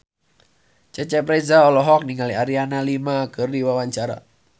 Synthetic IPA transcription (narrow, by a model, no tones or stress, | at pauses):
t͡ʃɛt͡ʃɛpɾezaɔlɔɦɔk̚niŋaliaɾianalimakɨrdiwawaɲt͡ʃaɾa̰